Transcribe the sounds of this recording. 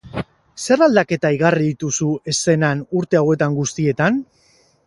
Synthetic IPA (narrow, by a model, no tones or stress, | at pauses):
se̞rald̪ake̞t̪aiɣariðit̪usue̞se̞nanuɾt̪e̞awe̞t̪aŋɡust̪ie̞t̪an